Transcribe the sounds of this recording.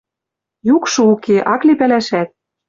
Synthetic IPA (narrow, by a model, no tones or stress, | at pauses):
jukʃɤ̆ukʰeʔɑklepælæʃæt̪̚